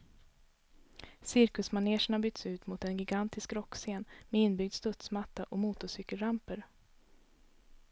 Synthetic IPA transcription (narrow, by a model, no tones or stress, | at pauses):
sɪɾkɵsmaneːʂəɳabʏɡ̚t̪sʉ̟ːt̪mʊt̪ɛnɡɪɡant̪ɪskɾɔkːseːnmɛɪnːbʏɡd̪st̪ɵt̪smat̪ːaʔɔmuːt̪ʊsʏkːəlɾampəɾ